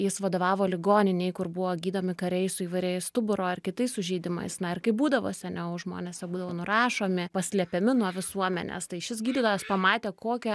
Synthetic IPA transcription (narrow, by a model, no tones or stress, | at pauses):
jɪsʋɐd̪oːʋɑːʋoːlʲɪɡoːnʲɪnʲɛɪkʊɾbʊʋoːɡʲiːd̪oːmʲɪkɐɾʲɛɪssʊiːʋɐɪɾʲɛɪst̪ʊbʊɾoːɪrkʲɪt̪ɐɪssʊʒʲɛɪd̪ʲɪmɐ̰ɪsnɐɪrkɐɪbuːd̪ɐʋo̰sʲɛnʲɛʊʒmo̰ːnʲɛːsʲjʲɛbuːd̪ɐʋoːnʊɾɑːʃoːmʲɪpɐsʲlʲɛpʲɛmʲɪnuɔʋʲɪsuɔmʲɛ̰nʲḛːst̪ɐɪɪʃʲɪsɡʲiːd̪ʲɪd̪oʋospɐmɑːt̪ʲeːkoːkʲɛ